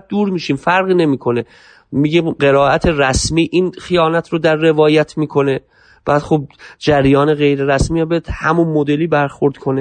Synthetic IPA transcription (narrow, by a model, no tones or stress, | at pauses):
d̪uːɾmiːʃiːmfæɾɣiːne̞miːkʰo̞ne | miːɡiɢe̞ɾɒːʔæt̪ʰe̞ɾæsmiːʔiːnxijɒːnæt̪ʰɾod̪æɾːe̞vɒːjæt̪ʰmiːkʰo̞ne | b̥æːd̪xob̚d͡ʒæɾjɒːne̞ɣe̞jɾe̞ɾæsmiːjambed̪hæmunmod̪e̞liːbæɾxoɾd̪̥kʰo̞ne